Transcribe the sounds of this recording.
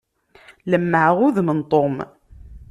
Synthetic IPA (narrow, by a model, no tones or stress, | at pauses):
ləmːəʕʁʊðmənt̪ˤom